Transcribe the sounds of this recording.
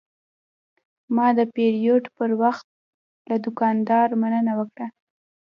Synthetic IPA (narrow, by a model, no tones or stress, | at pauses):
mɑd̪əpeɾijoɖpəɾwaxt̪̚ | lad̪ʊkɑnd̪ɑɾmanənawəkɽa